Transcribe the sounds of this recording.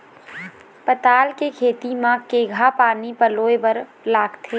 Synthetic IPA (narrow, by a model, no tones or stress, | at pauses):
pət̪aːlkekʰeːt̪imãːkːeɡʱapaːnipəloːebəɾ | laːɡt̪ʰeː